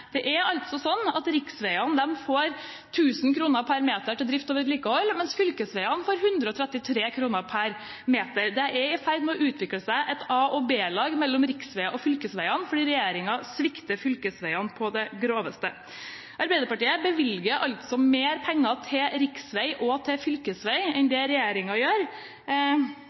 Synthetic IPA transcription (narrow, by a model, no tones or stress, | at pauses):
d̪̥ɛʔæɾɑlt̪sɔsɔnːɑt̪ɾɪksʋæɪɑnd̪ɛmfoːɾ | t̪ʰʉːsn̩kʰɾuːnəɾpʰæɾmeːt̪əʈɪld̪ɾɪft̪oːʋəɾɛt̪liːkəhɔlːmɛnsfʏlkəsʋæɪɑnfoːɾɦʉnd̪ɾəɔt̪ʰɾɛt̪ːɪt̪ʰɾeːkʰɾuːnəɾpʰæɾ | meːt̪əɾd̪ɛæɪfæɾd̪mɛɔʔʉːt̪ʰʋɪkləsæɪʔɛt̪ʰɑːɔbeːlɑːɡmɛlːɔmɾɪksʋæɪɑʔɔfʏlkəsʋæɪɑnfɔɖiːɾɛjeːɾɪŋɑsʋɪkt̪əfʏlkəsʋæɪɑnpʰɔd̪ɛɡɾoːʋəst̪ə | ʔɑɾbæɪd̪əɾpɑʈiːəbəʋɪlɡəɾʔɑlt̪sɔmeːɾpʰɛŋːɑt̪ʰɪlɾɪksʋæɪʔɔt̪ʰɪfʏlkəsʋæɪɛnd̪ɛɾɛjeːɾɪŋɑjøːɾ